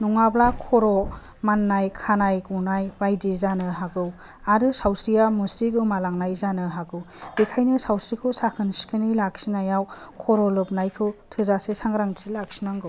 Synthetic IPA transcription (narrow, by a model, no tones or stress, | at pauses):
nuŋablakʰɔɾɔ | manːajkʰanajɡunajbajdizanɯɦaɡɯw | aɾɯsawsɾijamusiɡɯwmalaŋnajzanɯɦaɡɯw | bikʰajnɯsawsɾikʰɯwsakʰɯnsi̥kʰɯnijlak̚sinajawkʰɔɾɔlɯp̚najkʰɯtʰɯzasesaŋɾaŋzilak̚sinaŋɡɯw